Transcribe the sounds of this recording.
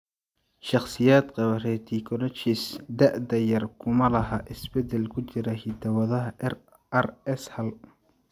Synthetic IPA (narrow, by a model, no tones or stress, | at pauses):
ʃɑχsɪjaːd̪qɑβɐrɛːt̪ʰiːkʰɔlɐt͡ʃisd̪ɐʔd̪ɐjɐrkʰʊmɐlɐɦaːʔɪsbɛd̪ɛlkʰʊt͡ʃɪɾɐhɪd̪ʰɐwɐðɐɦɐ | ɐrɛshɐl